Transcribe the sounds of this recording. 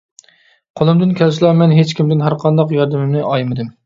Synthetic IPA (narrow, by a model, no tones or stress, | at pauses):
qʰolˠɨmd̪ɪnkʲʰɛlslˠɑmɛnɦet͡ʃkʲimd̪ɪnɦæɾqʰɑnd̪ɑqjɑɾd̪ɪmɪmnɪʔɑjmɨd̪ɪm